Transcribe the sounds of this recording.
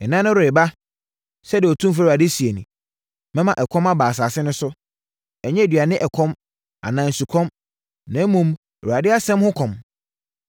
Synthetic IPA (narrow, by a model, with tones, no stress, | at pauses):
ɛ˨nã˦nʊ̃˦ɾe˨ba˦ | sɛ˦dɪ˨ɔ˨tʰũ˦mf̬a˦˨a˨dɪ˦si˨e˨nũ˨ | mɛ̃˦mã˨ʔɛ˨kʰɔ̃˦ma˦baː˨s̬aː˨sɪ˦nʊ̃˦sʊ˦ | ɛ˨ɲɛ̃˦e˨dɥa˨nɪ̃˦ʔɛ˨kʰɔ̃˦m | a̰˨nã˨n̩˨su˨kʰɔ̃˦m | nã˨˦mũ˦m˨ | u˨a˨dɪ˦a˦sɛ̃˦mhʊ̃˦kʰɔ̃˨m